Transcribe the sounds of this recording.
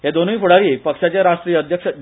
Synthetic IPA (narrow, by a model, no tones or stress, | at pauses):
ɦed̪onuipuɽaɾiːpəkʂat͡ɕjaɾaʂʈɾijəd̪ʱjəkʂə